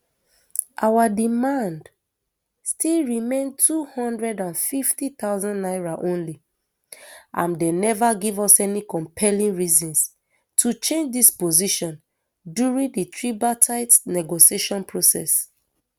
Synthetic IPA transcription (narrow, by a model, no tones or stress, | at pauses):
ʔawadimãnd | stilɹimẽntʰuhɔ̃ndɹɛdãnfiftit̪aʊzɔ̃nnaɪɹaʔõnli | ʔã̰mdenɛvaɡivɔsɛnikɔ̃mpʰɛlĩŋɹizɔ̃ns | tʰut͡ʃẽnd͡ʒdispoziʃɔ̃n | djuɹĩŋditʰɹibatʰaɪtnɛɡosieʃɔ̃npʰɹosɛ̰s